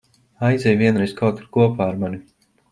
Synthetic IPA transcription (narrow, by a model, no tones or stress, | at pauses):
aj̪zʲɛjviɛnɾɛjsʲkʰawt̪uɾkuɔpaːaɾmanʲu